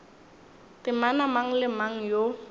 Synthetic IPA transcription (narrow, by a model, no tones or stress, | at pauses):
tɪmanamaŋ̩lɪmaŋ̩jo